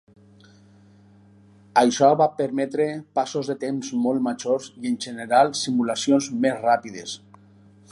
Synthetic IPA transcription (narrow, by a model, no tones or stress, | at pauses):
ajʃɔβapeɾmɛt̪ɾepasozðet̪emzmolˠt̪mad͡ʒoɾzienʲʒeneɾalˠsimulasjonzmezrapiðḛs